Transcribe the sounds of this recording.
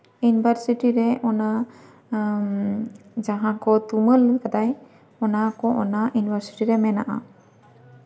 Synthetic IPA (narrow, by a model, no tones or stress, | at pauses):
junibʱəɾsiʈiɾɛʔɔna | d͡ʒaɦãkɔt̪uməlkad̪aj | ɔnakɔʔɔnajunibʱəɾsi̥ʈiɾɛmɛnaʔa̰